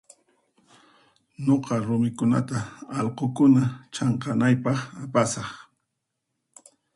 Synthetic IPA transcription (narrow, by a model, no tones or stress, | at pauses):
noqɑɾʊmɪkʊna̰t̪aːlqokʊnat͡ʃɑɴqɑnajpɑχapasɑχ